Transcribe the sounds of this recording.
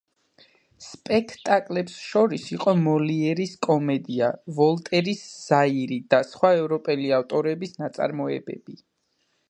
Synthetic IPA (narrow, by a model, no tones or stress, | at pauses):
spʼɛkʰt̪ʼakʼlɛpsʃɔɾisiqʼɔmɔliɛɾiskʼɔmɛd̪iavɔlˠt̪ʼɛɾisːaiɾid̪̥asχwaɛvɾɔpʼɛliaft̪ʼɔɾɛbisnat̪sʼa̰ɾmɔɛbɛ̰b̥i